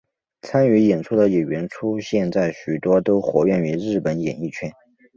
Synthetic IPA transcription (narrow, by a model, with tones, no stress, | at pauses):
t͡sʰa˥ny˧˥jɛ˨˩nʈ͡ʂʰu˥d̪ə˨jɥɛ˧˥nʈ͡ʂʰu˥ɕjɛ˥˧nt͡sa˥˩ɪɕy˨˩t̪wɔ˥t̪o˥ʊxwɔ˧˥ɥɛ˥˩ny˧˥ɻɻ̩˥˩pə˧˥njɛ˨˩ni˥˩t͡ɕʰɥɛ˥n